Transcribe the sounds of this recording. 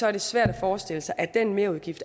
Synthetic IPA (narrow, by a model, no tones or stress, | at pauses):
sɒ̽æɐd̥e̝sʋæɐ̰ɾ̥æfɒːsd̥e̝l̰əsɑ̈ɪʔæd̥enme̝ɐuðˠɡ̥ifd̥